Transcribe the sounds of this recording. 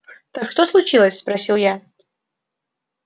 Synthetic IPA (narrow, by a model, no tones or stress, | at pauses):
t̪akʂt̪oslˠʊt͡ɕilˠəsʲspɾɐsʲilˠja